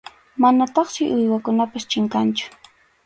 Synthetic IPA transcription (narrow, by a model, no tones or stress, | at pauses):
manat̪ɑχsɪʔʊjwakʊnapast͡ʃɪŋkant͡ʃʊ̥